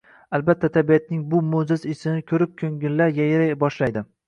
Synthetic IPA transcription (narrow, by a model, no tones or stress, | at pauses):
albat̪ʰːat̪ʰabijat̪̚nɪŋbʊmozɪzɪsɪnɪkʲʰɵɾɪp̚kʲʰɵŋɡʲɪllaɾjajɪɾajbɒʃlajd̪ɪ